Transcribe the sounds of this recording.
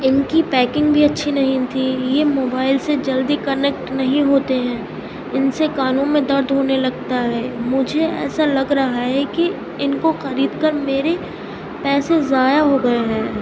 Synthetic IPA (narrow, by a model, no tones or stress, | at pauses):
ɪnkipɛːkɪ̃ŋɡbʱiɐtːʃʰinɐɦĩt̪ʰijemoːbaːɪlsed͡ʒɐld̪ikɐnek̚ʈnɐɦĩɦoːt̪eɦɛ̃ː | ɪnsekaːnõmẽd̪ɐɾd̪ʱɦoːnelɐɡ̚t̪aɦɛːmʊd͡ʒʱeɛ̰ːsalɐɡɾɐɦaɦɛki | ɪnkoxɐɾiːd̪kɐɾmeːɾe | pɛːsezaːjaɦoɡɐeɦɛ̃ː